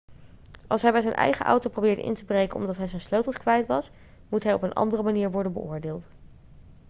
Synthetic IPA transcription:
ɑ̰lˠsɦɛjbɛjzɛjnʔɛ̰jχəʔɑ̰wtowprowbɪːɹdə̰ʔɪ̰ntəbrejkənɔ̰mdɑtɦɛjzɛnsløwtəl̩ˠskʋɛjtʋɑs | mutɦɛjɔpənʔɑ̰ndərəmaniːɹʋɔɹdənbə̰ʊːɹdeːlˠt

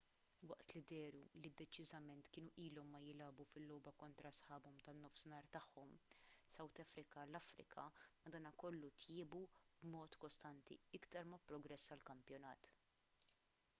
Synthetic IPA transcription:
wɐʔt̪lid̪ɛːɾulid̪ːɛt͡ʃɪzɐmɛnt̪kɪːnuʔiːlɔmːɐjɪlɐːbufɪlːɔːbɐkɔnt̪ɾɐsħɐːbɔmt̪ɐnːɔfsɪnɐːɾt̪ɐħːɔmsɐwt̪ɐfɾɪkɐlɐfɾɪ̰kʰɐ̰mɐd̪ɐːnɐkɔlːut̪ʰjɪːbubmɔːt̪kɔst̪ɐnt̪ḭɪkt̪ɐɾmɐpɾɔɡɾɛsːɐlkɐmpjɔnɐːt̪

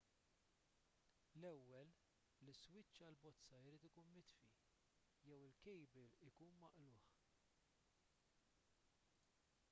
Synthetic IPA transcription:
lɛwːɛlː | iswɪt͡ʃːɐlbɔt͡sːɐɪɾiːt̪ɪkuːnmɪt̪fi | jɛwɪlkɛjbɛlɪkuːnmɐʔlʊːħ

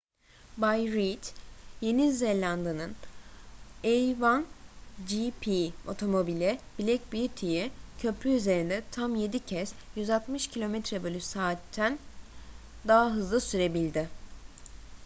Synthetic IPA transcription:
bajɾit̪jenizːelʲand̪anɯn | ejvand͡ʒipʰio̞̰t̪ʰo̞mo̞bilʲɛbilʲɛc̚bijyt̪ʰijicʰø̞pʰɾyyze̞ɾind̪ɛt̪ʰamje̞d̪icʰɛsjyzat̪mɯʃcʰilʲo̞mɛt̪ɾɛbolʲysaːt̪ʰːæn | d̪aɦaɦɯzlˠɯsyɾe̞bilʲd̪ɪ

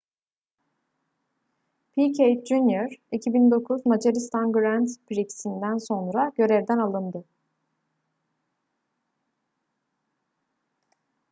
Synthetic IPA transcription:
pʰicʰejt̪̚d͡ʒunjoɾicʰibind̪o̞kʰuzmad͡ʒaɾist̪ʰanɡɾænd̪pɾiksind̪ænso̞nɾaɟ̥ø̞ɾɛvd̪ænalˠɯnd̪ɯ

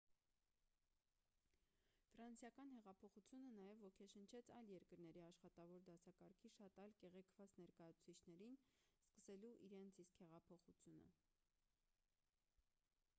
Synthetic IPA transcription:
fɾɑnsjɑkɑnhɛʁɑpʰɔχut͡sʰjunənɑjɛvːɔkʰɛʃənt͡ʃʰɛt͡sʰɑjljɛɾkəɾnɛɾiɑʃχɑt̪ɑvɔɾd̪ɑsɑkɑɾkʰiʃɑt̪ɑjlkɛʁɛkʰv̥ɑt͡snɛɾkɑjɑt͡sʰu̥t͡sʰit͡ʃʰnɛɾinskəsɛluʔiɾɛnt͡sʰiskhɛʁɑpʰɔχut͡sʰjunə̰

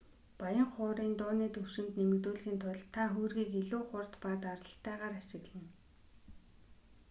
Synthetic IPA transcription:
pajə̆ŋχʊːɾiːnt̪ʊːniːt̪ʰɵwʃɪ̆nt̪nemɘ̆kt̪uːɮxiːnt̪ʰʊɮt̪ʰaxuːrɣiːkeɮuːχʊr̥t̪paːt̪arə̆ɬt̪æːʁaːɾat͡ɕɪ̆ɣɮ̆ə̆n

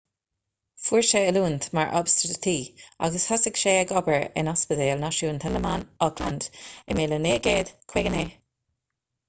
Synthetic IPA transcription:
fuːɹʃeəluːnt̪ʰmaɹʔɔ̰bst̪ɾədt̪ʰiːa̰ɡəshɔsɪkʃeːəɡɔbəɹɪ̰nɔspəteːlnaʃuːnt̪ʰɛləmanɔkʰla̰nd̪ɪmeːləneːɡeːd̪̥kʰweɡəneː

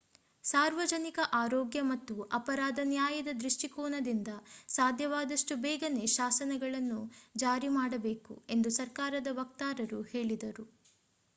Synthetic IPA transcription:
saːɾʋɐd͡ʒɐnikɐʔaːɾɔːɡjɐmɐt̪ːuʔɐpɐɾaːd̪ɐnjaːjɐd̪ɐd̪ɾiʂʈikɔːnɐd̪ind̪ɐsaːd̪ʱjɐʋaːd̪ɐʂʈubɛːɡɐneʃaːsɐnɐɡɐɭɐnːud͡ʒaːɾimaːɽɐbe̞ːkṵe̞nd̪usɐɾkaːɾɐd̪ɐʋɐk̚t̪aːɾɐɾuhe̞ːɭid̪ɐɾu

